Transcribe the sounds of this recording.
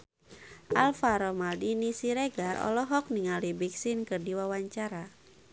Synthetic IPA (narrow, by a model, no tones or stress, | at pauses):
ʔalfaɾɔmaldinisiɾeɡarɔ̰lɔɦɔk̚niŋalibiksinkɨrdiwawaɲt͡ʃaɾa